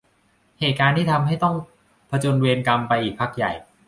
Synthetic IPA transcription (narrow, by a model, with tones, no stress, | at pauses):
heː˨˩t̪̚kaː˧nt̪ʰiː˥˩t̪ʰa˧mɦa˥˩jt̪ɔ˥˩ŋ | pʰa˧t͡ɕoː˧nweː˧nka˧mpa˧jʔiː˨˩k̚pʰa˦˥˩k̚ja˨˩j